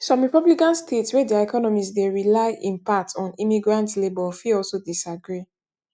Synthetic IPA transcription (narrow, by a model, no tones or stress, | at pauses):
sɔ̃mɹipablikãnstʰetswɛdɛɛkʰɔnɔmisdeɹilaɪʔĩnpak̚tɔ̃nimiɡɹãntlebɔfiɔlsodisaɡɹi